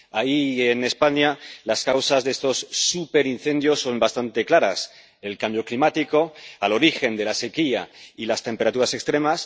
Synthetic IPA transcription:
aiene̞spaɲalaskawsazðeest̪o̞sːupe̞ɾinθe̞nd̪jo̞sːo̞mbast̪ant̪e̞klaɾa̰s | elkambjoklimat̪iko̞alo̞ɾixe̞nd̪e̞lase̞kia̰ilast̪e̞mpe̞ɾat̪uɾasekst̪ɾe̞mas

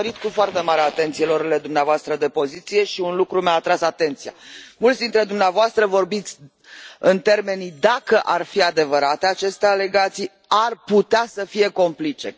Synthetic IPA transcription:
ɾit̪kufoart̪e̞maɾeat̪e̞nt̪sijeloɾile̞d̪umneavoast̪ɾəd̪e̞po̞zit̪sije̞ʃiunlukɾumeaːt̪ɾasat̪e̞nt̪sija̰mult̪sʲd̪int̪ɾe̞d̪umneavoast̪ɾəvo̞rbit̪sʲ | ɨnt̪e̞rme̞nid̪akəʔarfiad̪e̞vəɾat̪e̞at͡ʃe̞st̪eale̞ɡat̪sij | arput̪easəfije̞ko̞mplit͡ʃe̞̰

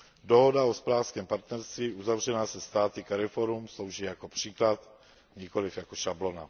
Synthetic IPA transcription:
doɦodaospɾaːfskɛːmpaɾt̪nɛɾst̪viːʔuzavr̝ɛnaːsɛst̪aːt̪ɪkɛɾɛfoɾumslowʒiːjakopr̝̥iːklat̪ | ɲɪkolɪfjakoʃablo̞na̰

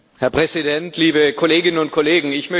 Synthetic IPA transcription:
hɛɐpʁ̥ɛzidɛntliːbəkʰoleːɡɪnənʊnt̚kʰoleːɡŋ̩ɪçmœ

